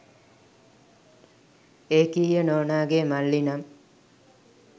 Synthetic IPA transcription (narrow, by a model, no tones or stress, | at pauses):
eːkijənoːnaːɡemalːinam